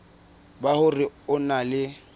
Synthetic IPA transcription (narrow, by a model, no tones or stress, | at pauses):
bahʊrɪʊnalɪ